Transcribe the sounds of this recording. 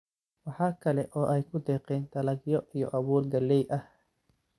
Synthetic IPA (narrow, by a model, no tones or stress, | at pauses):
wɑħɑːkʰɐlɛʔɔːʔɛjkʰʊd̪ɛːqɛːnt̪ɐlɐɡjɔʔijɔʔɐβuːrɡɐlːɛjʔɐh